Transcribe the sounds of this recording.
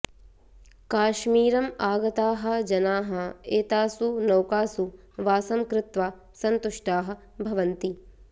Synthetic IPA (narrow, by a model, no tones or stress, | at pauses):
kaːʃmiːɾɐmaːɡɐt̪aːɦɐ̆d͡ʒɐnaːɦɐ̆eːt̪aːsunɐwkaːsu | ʋaːsɐmkɾɪt̪ʋaː | sɐnt̪uʂʈaːɦɐ̆ | bʱɐʋɐnt̪i